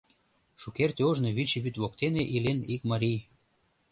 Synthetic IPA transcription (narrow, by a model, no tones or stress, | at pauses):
ʃukert̪ʲeoʒneβit͡ɕiβyt̪βokt̪eneʔilʲenikmaɾʲij